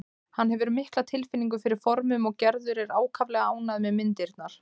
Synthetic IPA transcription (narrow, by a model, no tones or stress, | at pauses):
hanɦɛvʏɾmɪhklat̪ʰɪlfɪnːiŋkʏfɪɾɪɾ̥fɔɾmʏmɔɣcɛɾðʏɾɛɾaːwkʰavlɛɣaaːwnaðmɛðmɪnt̪ɪɾt̪naɾ̥